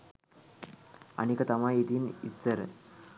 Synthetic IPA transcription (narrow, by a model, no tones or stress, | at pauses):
a̰nikət̪amait̪iːnist͡səɾ